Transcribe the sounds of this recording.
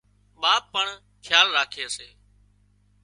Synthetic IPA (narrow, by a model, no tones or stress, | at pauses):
ɓaːpːəɳ | kʰjaːlɾaːkʰeːəseː